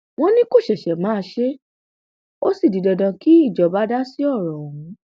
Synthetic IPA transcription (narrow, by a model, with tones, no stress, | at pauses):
w̃ɔ̃˦nĩ˦ko˦˨ʃɛ˨ʃɛ˨mãː˨˦ʃe˦ | o˦si˦˨di˨dɔ˨dã˧ki˦i˦˨d͡ʒɔ˨ba˨˦da˦si˦ɔ˦˨ɾɔ̃˨o˨ũ˨˦